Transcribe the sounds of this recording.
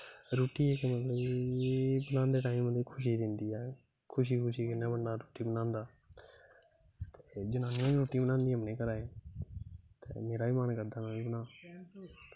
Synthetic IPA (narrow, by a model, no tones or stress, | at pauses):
ɾoːʈiːɛːkemət̪ləbeːbənãːnd̪eːʈaːiməiːkʰʊʃ̬iːd̪ɪnd̪iːɛː | kʰʊʃ̬iːkʰʊʃiːkɪnːãːbəɳɖaːɾoːʈiːbənãːnd̪aː | t̪eːd͡ʒənãːnːãːĩːɾoːʈiːbənãːnd̪iːɦəmnẽːkəɾaːe | t̪ḛːmeːɾaːiːmaːnkəɾd̪aːnaiːbənãː